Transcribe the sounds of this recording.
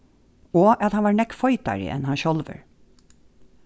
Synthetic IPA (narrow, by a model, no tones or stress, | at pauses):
oːʔɑt̪hɑnʋɑːɹɳɛkfɔʏt̪ɑ̰ɹə̰ʔɛ̰nhɑnʃɔlʋə̰ɹ